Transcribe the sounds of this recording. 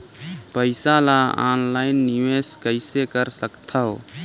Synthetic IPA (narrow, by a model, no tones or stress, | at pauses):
pəɪsalaa̰ːnlaːɪnːiʋeːskəɪsekəɾsəkt̪ʰəo